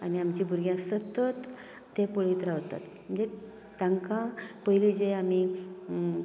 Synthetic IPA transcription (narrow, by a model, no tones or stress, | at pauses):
aniamt͡ɕibʱuɾɡjãsət̪ət̪ː | epəɭiːt̪ɾaʋt̪a̰t̪ | m̤ənd͡ze | t̪ãŋkãpəjlid͡zeami